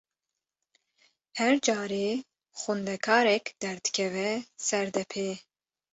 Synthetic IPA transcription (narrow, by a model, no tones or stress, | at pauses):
hɛɾd͡ʒɑːɾe | xund̪ɛkʰɑːɾɛkd̪̥ɛɾd̪ɨ̥kʲʰɛvɛsɛɾd̪ɛpʰeː